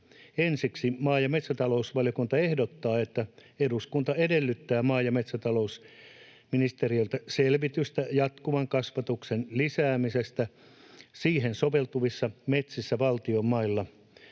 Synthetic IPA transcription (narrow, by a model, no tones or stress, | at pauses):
ensiksimɑːjɑmet̪sæt̪ɑlousʋɑljokunt̪ɑehdot̪ːɑːet̪ːæeduskunt̪ɑedelːyt̪ːæːmɑːjɑmet̪sæt̪ɑlous | minist̪eriolt̪æselʋit̪yst̪æjɑt̪kuʋɑŋkɑsʋɑt̪uksenlisæːmisest̪æ | siːhensoʋelt̪uʋisːɑmet̪sisːæʋɑlt̪iomːɑilːɑ